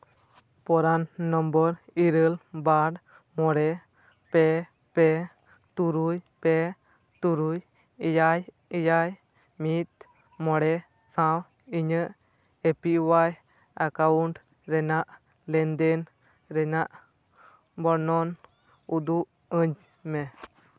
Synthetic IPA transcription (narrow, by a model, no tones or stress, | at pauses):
pɔɾanːɔmbɔɾiɾəlbaɽ | mɔɽɛ | pɛ | pɛ | t̪uɾujpɛ | t̪uɾuj | jaj | ijaj | mit̪̚ | mɔɽɛ | sãw | iɲəʔ | epiʔwaj | akauɳʈ | ɾɛnaʔ | lɛnd̪ɛn | ɾɛnaʔ | bɔɾnɔn | ud̪uʔ | əɲ | mɛ